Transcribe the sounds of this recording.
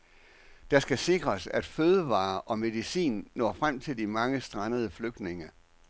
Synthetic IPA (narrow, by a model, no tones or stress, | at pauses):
d̥ɑ̈sɡ̥æse̝ɡ̥ʁɐsæd̥føːð̞ˠəʋɑ̰̈ːʔɒ̽me̝ðˠisḭːnːɒ̰ːfʁam̰t͡sʰe̝ld̥imɑ̈ŋəsd̥ʁɑnəð̞ˠəfløɡ̥̚d̥ne̝ŋɐ